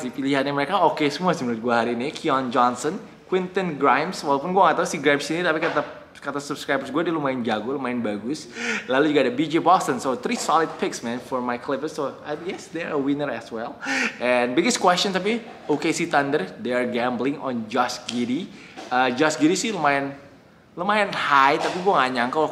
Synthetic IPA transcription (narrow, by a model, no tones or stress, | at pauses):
sipiliɦat̪̚ɲaməɾekaokesəmuasimuɾʊt̪̚ɡuaɦaɾiːnikʰiɔnd͡ʒɔnsən | kwɪnt̪ənɡɾajmswalpʊnɡuaŋat̪ausiɡɾajmsinit̪apikat̪a | kat̪asubskɾajbərsɡuadilumaɪnd͡ʒaɡolumaɪnbaɡʊslalud͡ʒuɡadabid͡ʒibɔst̪ənsot̪ɾisɔlɪd̪̚pɪksmɛ̃nfɔrmajklɪpəsːoajɛsd̪ɛɾəwinərɛ̰swɛlʔɛnbɪɡɪskwɛst͡ʃɔnt̪ap̬i | okesit̪andərdearɡɛmblɪ̃ŋɔnd͡ʒɔsɡiɾi | əd͡ʒɔsɡiɾisɪhləmajɪn | ləmajanhajt̪apiɡuaŋaɲaŋka